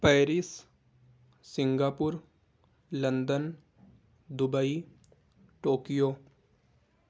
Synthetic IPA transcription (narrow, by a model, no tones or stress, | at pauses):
pɛːɾɪs | sɪ̃ŋɡaːpʊɾ | lɐ̃nd̪ən | d̪ʊbəi | ʈoːkijoː